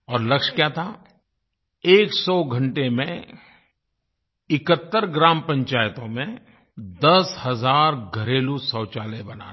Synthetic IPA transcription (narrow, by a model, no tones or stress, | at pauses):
ɔːɾlɐkʃkjaːt̪ʰa | eːksɔɡʱɐ̃ɳʈemẽ | ɪkət̪ːəɾɡɾãːmpɐ̃ɲt͡ʃaːjt̪õmẽ | d̪ɐshɐzaːɾɡʱɐɾeːlusɔːt͡ʃaːlebɐna̰ː